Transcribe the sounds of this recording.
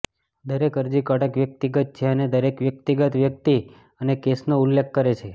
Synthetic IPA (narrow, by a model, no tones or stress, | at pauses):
d̪əɾekəɾd͡ʒikəʈəkʋjək̚t̪iɡət̪̚t͡ʃʰeəned̪əɾekʋjəkt̪iɡət̪ʋjək̚t̪i | ənekesnoulːekʰːəɾet͡ʃʰe